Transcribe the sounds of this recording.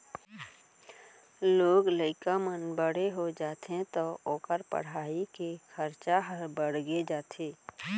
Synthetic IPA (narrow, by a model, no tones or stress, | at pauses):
loːɡləɪkamənbəɽ̤eɦod͡ʒaːt̪ẽt̪ooːkəɾpə̰ɽ̤aːikekʰəɾt͡ʃaɦəɾbəɽ̤ɡed͡ʒaːt̪ʰeː